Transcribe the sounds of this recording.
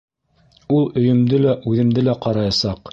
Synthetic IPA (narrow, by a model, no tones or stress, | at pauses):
ulˠɵ̆jɵ̆md̪ɘlæʔʉðɘ̆md̪ɘlæqɑɾɑjɑsɑq